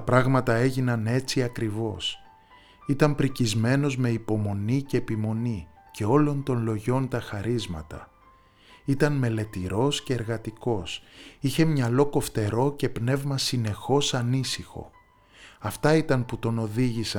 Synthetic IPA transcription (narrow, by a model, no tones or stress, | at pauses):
t̪ɐpɾɐɣmɐt̪ɐe̞ʝinɐne̞t͡siɐkɾivo̞s | it̪ɐmpɾicizme̞no̞zme̞ipo̞mo̞nice̞ːpimo̞nice̞o̞lo̞nt̪o̞nlo̞ʝo̞nt̪ɐxɐɾizmɐ̰t̪ɐ̰ | it̪ɐnme̞le̞t̪iɾo̞sce̞ːɾɣɐt̪iko̞siçe̞mɲɐlo̞ko̞ft̪e̞ɾo̞ce̞pne̞vmɐsine̞xo̞sɐnisixo̞̰ | ɐft̪ɐit̪ɐnput̪o̞no̞ðiʝisɐ